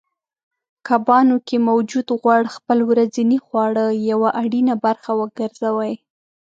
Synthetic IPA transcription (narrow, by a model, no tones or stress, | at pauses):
kabɑnokemawd͡ʒud̪ɣwaɽxpəlwɾazinixwɑɽəjawaʔaɽinabaɾxawəɡəɾzawaj